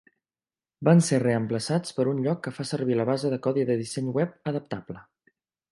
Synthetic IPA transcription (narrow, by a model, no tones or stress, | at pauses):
banserəəmpləsat͡spəɾunʎɔkːəfasəɾβ̞iləβazəðəkɔðiðəðisɛɲwɛp̚əðəp̚t̪ablə